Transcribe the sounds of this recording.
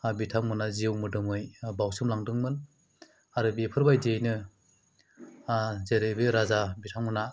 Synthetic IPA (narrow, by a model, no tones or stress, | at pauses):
bitʰaŋmɯnaziwmɯdɯmɯjbawsɯmlaŋdɯŋmɯn | aɾɯbipʰɯɾbajdejnɯ | zeɾebeɾazabitʰaŋmɯna